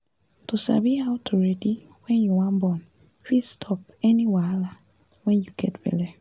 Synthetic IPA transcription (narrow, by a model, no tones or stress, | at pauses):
tusa̰bihawtʰuɹɛdi | wɛ̃njuwãnbɔ̃n | fidstʰɔp | ɛniwala | wɛ̃njuɡ̥ɛtbɛ̰lɛ